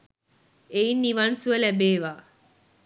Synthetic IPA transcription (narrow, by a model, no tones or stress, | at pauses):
einːiʋansuəlæbeːʋaː